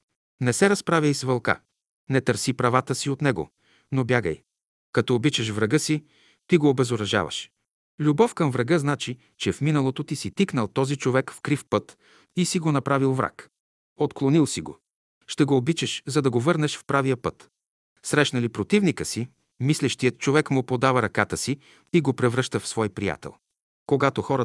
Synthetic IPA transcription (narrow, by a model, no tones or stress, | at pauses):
nɛsɛɾɐspɾavʲjəjsvɐlˠka̰ | nɛt̪əɾsipɾɐvat̪əsiot̪nɛɡo̰ | nobjaɡə̰j | kɐt̪ɔːbit͡ʃəʃvɾɐɡɤsi | t̪iɡoːbɛzoɾɐʒa̰vɐ̰ʃ | lʲubɔfkɐmvɾɐɡɤznat͡ʃi | t͡ʃɛfminəlˠot̪ot̪isit̪iknəlˠt̪ɔzit͡ʃovɛkfkɾifpɤt̪ | isiɡonɐpɾavilˠvɾa̰k | ot̪klˠonilˠsiɡo̰ | ʃt̪ɛɡoːbit͡ʃɛʃzɐd̪ɐɡovɤɾnɛʃfpɾavijəpɤt̪ | sɾɛʃnɐlipɾot̪ivnikəsi | mislʲɛʃt̪ijət̪̚t͡ʃovɛkmʊpod̪avəɾɐkat̪əsi | iɡopɾɛvɾɤʃt̪əfsvɔjpɾija̰t̪ɛ̰lˠ | koɡat̪oxɔɾə